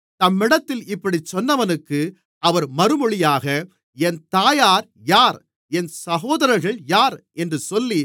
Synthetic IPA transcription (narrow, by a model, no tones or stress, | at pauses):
t̪ɐmːɪɽɐt̪ːɪlɪpːɐɽit͡ʃːɔnːɐʋɐnɯkːɯ | ʔɐʋɐɾmɐɾɯmɔɭɪjaːɣɐ | ɛnt̪aːjaːɾ | jaːɾ | ɛnsɐɣoːðɐɾɐɾɣɐɭjaːɾɛndrɯsɔlːi